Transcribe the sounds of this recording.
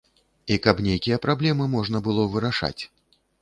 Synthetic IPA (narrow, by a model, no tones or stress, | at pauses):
ikɐpnʲejkʲijɐpɾablʲɛmɨmɔʐn̪ɐbɨlˠɔvɨɾaʂa̰t͡sʲ